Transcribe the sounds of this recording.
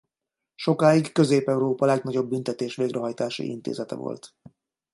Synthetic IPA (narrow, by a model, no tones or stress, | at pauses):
ʃo̞kaːikkø̞zeːpɛuɾoːpɒlɛɡnɒɟo̞bːynt̪ɛt̪eːʃʋeːɡrʔɛɦɒjt̪aːʃḭḭnt̪ḛːzɛt̪ɛ̰vo̰lt̪